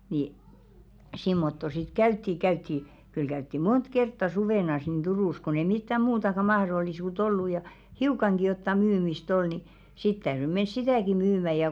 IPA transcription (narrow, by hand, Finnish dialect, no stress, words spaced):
ni simːotːo sit kæytːi kæytːi kyl kæytːi mont kertːɑ suʋeˑnɑs nin d̥uruˑs kon ei mitːæ muːtɑkɑ mɑhrolːisuːt olːu jɑ hiukɑŋɡ̊i jotːɑ myːmist ol ni sit tæyry mens sitæˑki myːmæ jɑ